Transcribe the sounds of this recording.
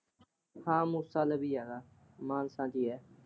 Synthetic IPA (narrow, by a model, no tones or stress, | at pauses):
hãːmũːsaːləbiːaːɡaː | mãːnsãːd͡ʒiːɛː